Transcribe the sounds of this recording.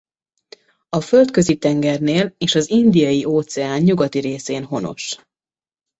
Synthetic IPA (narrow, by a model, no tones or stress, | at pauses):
ɒfølt̪kø̞zit̪ɛŋɡɛrneːleːʃɒzind̪ijɒjiʔoːt̪sɛaːnɲuɡɒt̪iɾeːseːnɦo̞no̞̰ʃ